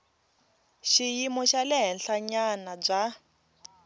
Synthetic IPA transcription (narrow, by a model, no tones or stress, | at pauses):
ʃijimɔʃalɛɦɛnɬaɲanab͡ʐa